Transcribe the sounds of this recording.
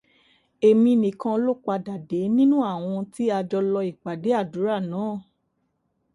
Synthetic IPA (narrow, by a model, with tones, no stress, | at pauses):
e˨mĩ˧nĩ˨kã˧lo˦˨k͡pa˧da˨de˨˦nĩ˦nũ˦a˦˨w̃ɔ̃˧ti˦a˧d͡ʒɔ˧lɔ˧i˨k͡pa˨de˨˦a˦˨du˨˦ɾa˦˨nãː˨˦˨